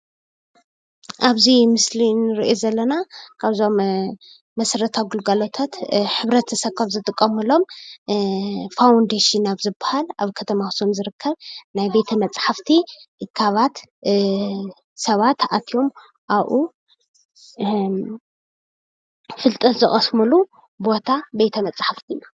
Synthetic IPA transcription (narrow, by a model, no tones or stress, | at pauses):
ʔaβzimɨslinɨɾiʔozɐlːɐnakʰaβzo̞mː | ɐsɾɐt̪ʰaɡulɡalo̞t̪ʰat̪ħɨβɾɐt̪ːʰɐsɐkʰʼːaβzɨt̪ʼɨkʼːɐmɨlo̞m | fawnd̪eʃinaβzɨbahalaβkʰɐt̪ʰɐmasomzɨɾɨkʰːɐβnajbe̞t̪ʰɐmɐt͡sʼħaft̪ʰikʰːaβat̪ | sɐβat̪ʰat̪ʰijo̞m | ʔaβʔu | fɨlt̪ʼɐt̪zɨχʼɐsmɨlu | bo̞t̪ʰabe̞t̪ʰɐmɐt͡sʼħaft̪ʰijːu